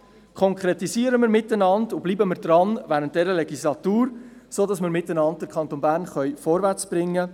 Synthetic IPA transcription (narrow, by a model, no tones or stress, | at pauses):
kʰɔŋkʰɾetisiːəɾəməɾmɪtənɑndub̥liːbəməɾdrɑnʋæːɾəntd̥ɛɾəlɛɡislɑtuːɾsoːdɑsmɪɾmɪtːənɑnt̚d̥əɾkʰɑntoːnbæːɾnχœʏfɔɾvæt͡sb̥ɾɪŋːə